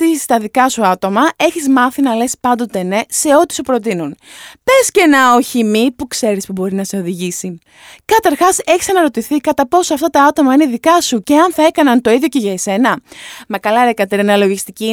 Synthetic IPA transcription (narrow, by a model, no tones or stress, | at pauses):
t̪ist̪ɐðikɐsuɐt̪o̞mɐe̞çizmɐθinɐle̞spɐnd̪o̞t̪e̞ne̞se̞o̞t̪i̥supɾo̞t̪̬inunpe̞sce̞nɐoçimipukse̞ɾispubo̞ɾinɐse̞o̞ðiʝisi | kɐt̪ɐɾxɐse̞çisɐnɐɾo̞t̪iθikɐt̪ɐpo̞soɐft̪ɐt̪ɐɐt̪o̞mɐineiðikɐsuce̞ɐnθɐe̞kɐnɐnt̪o̞iðʝoce̞ʝɐese̞nɐmekɐlɐɾekɐt̪eɾɐnɐlo̞ʝist̪ici